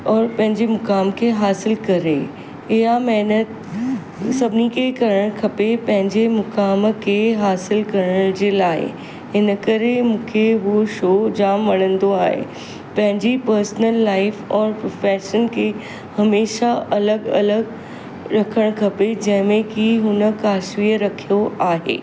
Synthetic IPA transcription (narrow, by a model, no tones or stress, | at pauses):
ɔːɾpɐ̃ɦɪ̃ɲd͡ʑemʊkaːmkʰeɦaːsɪlkɐɾe | ɪɦamɛːnət̪ | sɐbʱɪnikʰekɐɾəɽ̃kʰɐpepɐ̃ɦɪ̃ɲd͡ʑemʊkaːmkʰeɦaːsɪlkɐɾəɽ̃d͡ʑeːlaːɪ̰ | ɦɪnəkɐɾemũːkʰeɦoʃoːd͡ʑaːmʋɐɽ̃ə̃nd̪oaːɦḛ | pɐ̃ɦɪ̃ɲd͡ʑipɐɾsnəlːaːɪfɔːɾpɾoːfɛːʃənkʰe | hɐmeːʃaʔɐləɡɐ̰ləɡ | ɾɐkʰəɽ̃kʰɐped͡ʑɐ̃ɦɪ̃mẽkiɦʊnəkaːʃʋiːəɾɐkʰijoʔaːɦḛː